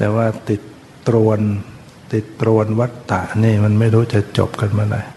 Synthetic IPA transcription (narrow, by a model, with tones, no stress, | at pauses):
t̪ɛː˨˩waː˥˩t̪i˨˩t̪ː | ɾu˧ən | t̪i˨˩t̪ːɾu˧ənwa˦˥t̪ːa˨˩ʔniː˥˩ma˧nma˥˩jɾuː˦˥t͡ɕa˨˩ʔt͡ɕo̰˨˩p̚ka˧nmaː˧ɾa̰˧j